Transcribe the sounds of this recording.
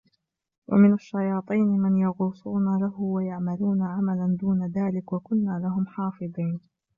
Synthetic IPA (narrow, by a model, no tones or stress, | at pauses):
wʔa̰mɪnaʃːajɑːt̪ˤiːnɪmɪnjɑɣuːsˤuːnalaɦʊwajaʕmaluːnaʕamaland̪uːnaðaːlɪkwakʊnːaːlaɦʊmħɑːfɨd̪ˤiːn